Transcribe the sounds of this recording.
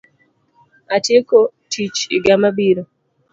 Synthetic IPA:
atjekɔtʰit͡ʃḭɡamabiɾo

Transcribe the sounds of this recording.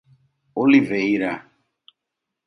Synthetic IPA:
oliveiɾa

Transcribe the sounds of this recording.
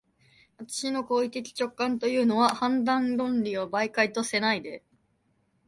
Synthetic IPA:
βat̪ḁɕino̞ko̞ːit̪ekʲi̥t͡ɕo̞kːãnt̪o̞jɯ̟ːno̞βahãnd̪ãnɾõ̞nɾʲio̞baikait̪o̞se̞naid̪e̞

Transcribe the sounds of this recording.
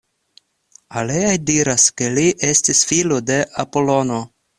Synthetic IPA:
aleajdiɾaske̞liʔe̞stisfilo̞de̞ʔapo̞lo̞no̞

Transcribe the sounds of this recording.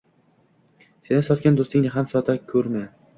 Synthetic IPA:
se̞nɪsɒt̪̚kʲand̪ost̪ɪŋnɪɦamsɒt̪ʰakʲʰɵɾma

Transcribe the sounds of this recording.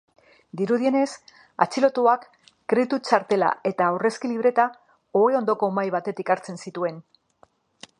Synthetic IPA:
d̪iɾuðie̞ne̞s | a̰t͡silo̞t̪uakː | ɾet̪ut͡ʃaɾt̪e̞la̰e̞t̪awre̞skiliβ̞ɾe̞t̪a | oeo̞nd̪o̞ko̞majβ̞at̪e̞t̪ikaɾt͡se̞nsit̪ue̞n

